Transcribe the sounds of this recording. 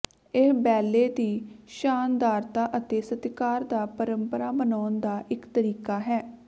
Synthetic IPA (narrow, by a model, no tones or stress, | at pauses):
ɪɦbɛːlːeːd̪iːʃaːnd̪aːɾt̪aːʔət̪eːsət̪kaːɾd̪aːpəɾəmpəɾaːbənaːnd̪aːʔɪkt̪əɾiːkaːɦɛː